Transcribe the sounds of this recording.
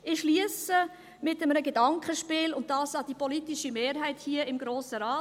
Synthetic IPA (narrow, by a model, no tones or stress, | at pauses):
ɪʃliəsə | mɪtəmənəɡedɑŋkχəʃpɪːlʊnt̚dɑːsɑd̥ipɔlitɪʃimeːɾɦæɪthiəɪmɡɾoːsəɾɑː